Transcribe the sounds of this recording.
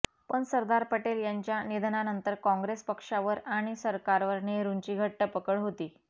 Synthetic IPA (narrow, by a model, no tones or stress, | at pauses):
pəɳsəɾd̪aɾpəʈeljaɲt͡ɕjanid̪ʱnanənt̪əɾkɔ̃ŋɡɾespəkʂaʋəɾaɽ̃isəɾkaɾʋəɾneɾuɲt͡ɕiːɡʱəʈːəpəkəɭɦot̪iː